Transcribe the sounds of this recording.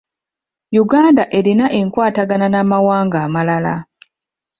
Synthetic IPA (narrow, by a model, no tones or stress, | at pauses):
juɡaːndaʔe̞linaʔe̞ŋkwaːtaɡananamawaːŋɡaːmalala